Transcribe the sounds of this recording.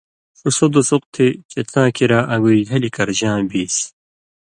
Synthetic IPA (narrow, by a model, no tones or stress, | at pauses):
usod̪osuq̚t̪ʰit͡ɕet̪ãːkʰiɾaʔɐɡuiɦɐlikɐɾʑãːbiːs